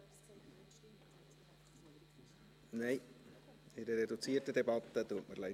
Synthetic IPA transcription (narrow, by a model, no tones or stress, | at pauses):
nɛɪ | ɪdəɾedut͡siːɾtədebɑt̪ːət̪uːətməlɛ